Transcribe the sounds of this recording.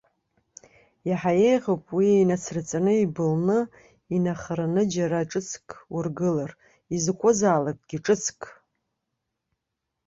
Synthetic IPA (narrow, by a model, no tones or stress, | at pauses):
jaħaje̞jʁowpʼwiejnat͡sʰrɨt͡sʼanɨibɨlnɨ | inaχaɾanɨd͡ʒaɾaʈ͡ʂʼɨt͡sʰkʼurɡɨlar | izkʷʼʊzaːlakʼɡ̥ʲiʈ͡ʂʼɨt͡sʰkʼ